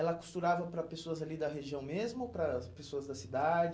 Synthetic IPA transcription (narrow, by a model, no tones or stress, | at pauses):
ɛlɐku̥st̪uɾavɐpɾɐpesoɐzalid̪ɐɦeʒiɐ̃w̃mezmʊpɾɐpesoɐzd̪ɐsid̪ad͡ʒɪ